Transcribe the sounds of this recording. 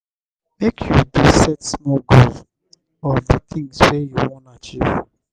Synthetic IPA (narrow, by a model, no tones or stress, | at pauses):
mekʰjudusɛtsmɔlɡoz | ɔðət̪ʰĩŋswejuwɔ̃ntat͡ʃiv